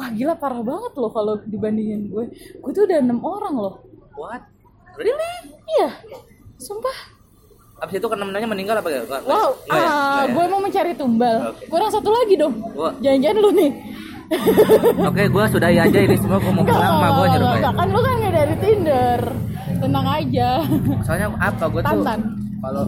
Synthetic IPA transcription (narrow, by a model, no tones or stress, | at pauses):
wahɡilahpaɾahbaŋət̪lʊhkalodibandiŋɪnɡuɛɡ̥uat̪uːdaənəmoɾaŋlʊhwat̪̚ | ilɪja | sumpah | absit̪ukərnamənəmɲaməniŋɡalapaɡaɡawauaɡuamaŋməɲt͡ʃaɾit̪umbalkuɾaŋsat̪ulaɡidɔŋad͡ʒaɲd͡ʒanlonɪ | okeɡuasudahiad͡ʒaiisəmuaɡuamaɡaamabɡaɡakanlokanŋadaɾit̪indər | sənaŋad͡ʒamasalɲaap̚kaɡuat̪ant̪an | kalo